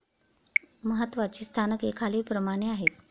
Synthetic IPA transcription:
məɦət̪ːʋat͡ɕiːst̪ʰanəkekʰaliːpɾəmaɽ̃eaɦet̪̚

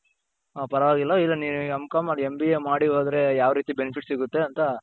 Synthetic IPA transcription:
pɐɾɐʋaːɡilːɐilːɐniːnuɐmkaːmaembiemaːɽiɦoːd̪ɐɾe̞jaːʋɾiːt̪ibenipʰiʈsiɡut̪ːe̞ɐnt̪ɐ

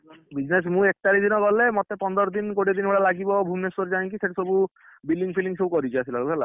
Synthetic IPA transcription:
bid͡ʒnes̬mũek̚ʈaɾid̪inɔkɔlemɔt̪epɔnd̪ɔɾɔd̪inkoɽid̪inɔɽalaɡibɔbʱumesɔɾd͡ʒaẽŋkiseʈesɔbu | bilɖiŋɡpʰiliŋsobukɔɾit͡ʃʰiasilaobʱɛla̰

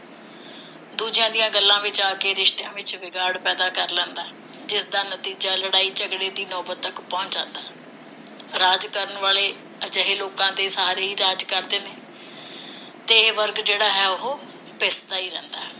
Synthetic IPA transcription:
d̪uːd͡ʒɪjãːd̪ijãːɡəlːãːʋɪt͡ʃaːkeːɾɪʃt̪ejãːʋɪt͡ʃʋɪɡaːɽpɛːd̪aːkəɾlɛ̃ːnd̪aː | d͡ʒɪsd̪aːnət̪iːd͡ʒaːləɽaːiːt͡ʃəɡɽeːd̪iːnɔːbət̪ːəkpɔ̃ːɲt͡ʃãːnd̪aː | ɾaːd͡ʒkəɾənʋaːleː | əd͡ʒəɦeːloːkãːt̪eːsaːɾeːiːɾaːd͡ʒkəɾd̪eːneː | t̪eːʋəɾɡd͡ʒeːɽaːɦɛːʊɦoː | peːst̪aːiːɾɛ̃ːnd̪a̰ː

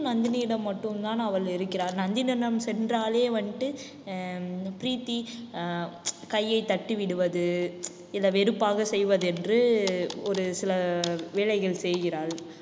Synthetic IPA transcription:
nɐnd̪ɪniːɽɐmːɐʈːɯmt̪aːnɐʋɐɭɪɾɯkːɪɾaːɾnɐnd̪ɪnɐnɐmsɛndraːleːʋɐɳʈːɯ | pɪɾiːt̪ːi | kɐjːɐɪt̪ːɐʈːɯʋɪɽɯʋɐðɯ | ɪlːɐʋɛɾɯpːaːɣɐsɛjʋɐðɯɛndrɯɔɾɯsɪlɐʋeːɭɐɪɣɐɭsɛjɣɪɾaːɭ

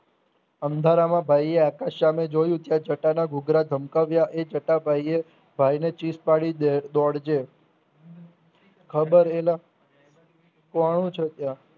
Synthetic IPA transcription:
ənd̪ʱaɾamãbʱajeakaʃamed͡ʒojũt̪jad͡ʒəʈanaɡʱʊɡɾad̪ʱəmkaʋjaʔed͡ʒəʈabʱaje | bʱajnet͡ʃispaɽid̪ɔɽd͡ʒe | kʰəbəɾela | kaɽ̃ũt͡ʃʰet̪ja

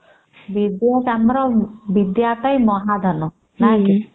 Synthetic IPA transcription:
ʋid̪jɔkamɾɔʋid̪jat̪ajmɔɦad̪ʱɔnɔ | naki

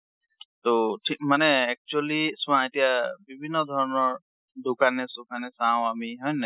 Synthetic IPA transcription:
t̪oʈʰikmanɛɛk̚t͡ʃualiswãetijabibʱinːɔd̪ʱɔɹɔnɔɹ | dukanɛsukʰanɛsãw̃amiɦɔjna

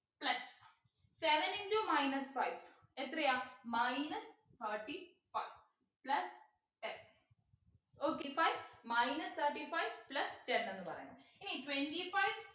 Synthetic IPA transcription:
plɐsː | eʋeniɳɖomajnɐsfajʋ | et̪ɾɐjaːmajnɐs | t̪ʰɐːʈːi | fajʋ | plɐs | ʈen | oːkːefajʋmajnɐst̪ʰɐːʈifajʋplɐsʈenenːɨpɐrɐ̰jɳɐ̰miniʈweɳʈifajʋ

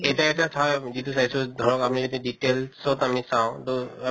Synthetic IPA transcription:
etaetiatʰɔjzitusaisʊdʱɔɹɔkapunizodiditelsɔtamisãʊ̃tʊ

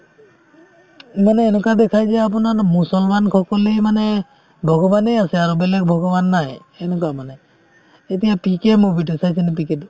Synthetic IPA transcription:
manɛːnɛkad̪ɛkʰajzɛap̬unaɹmusɔlmankʰɔkɔlemanɛ | bʱɔɡɔbanejasɛaɹubɛlɛk̚bʱɔɡɔbanːaɦjː | nɔk̬amanɛ | etijapikɛmubiʈɔsajsʰinɛpikɛd̪

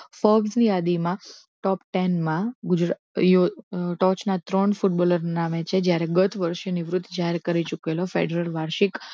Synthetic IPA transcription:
fɔbznijad̪imã | ʈɔpʈɛnmãɡʊd͡ʒɾ | joʈɔt͡ʃnat̪ɾəɳfuʈ̚bɔləɾnamet͡ʃʰed͡ʒjaɾeɡət̪ʰʋəɾʃenɪʋɾʊt̪ʰːd͡ʒaɦeɾkəɾit͡ʃukelofḛɖɾəlʋaɾʃik

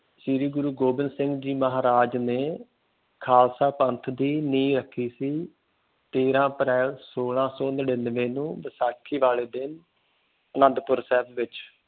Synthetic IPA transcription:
ʃiɾiːɡʊɾuːɡoːbɪnsɪ̃ŋɡd͡ʒiːməɦaːɾaːd͡ʒneː | kʰaːlsaːpənt̪ʰd̪iːniːɾəkʰːiːsiː | t̪eːɾãːəpɾɛːlsoːlãːsɔ̃ːnəɖɪnʋẽːnũːʋəsaːkʰːiːʋaːleːd̪ɪn | nəɖ̪pʊɾsɛːbʋɪt͡ʃ

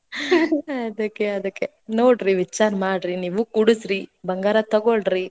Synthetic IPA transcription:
ɐd̪ɐkːeɐd̪ɐkːe | noːɽɾiʋit͡ʃːaːɾmaːɽɾiniːʋukuɽusɾibɐŋɡaːɾɐt̪ɐɡoɭɾi

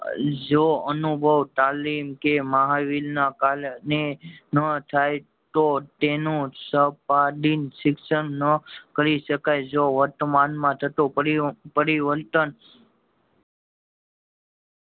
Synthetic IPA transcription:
d͡ʒoənubʱəʋt̪alimkemaɦaʋilnakalnenət̪ʰaj | t̪ot̪enũsəpaɖinsɪkʃənnəkəɾiʃəkajd͡ʒoʋəɾt̪manmãt̪ʰət̪õpəɾpəɾiʋəlt̪ən

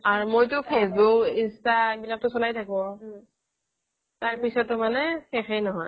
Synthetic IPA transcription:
aɹumojtʊpʰesbukinstabilak̚tʊsɔlajtʰakɔ̃ | taɹpisɔtːʊmanɛxexejnɔɦɔj

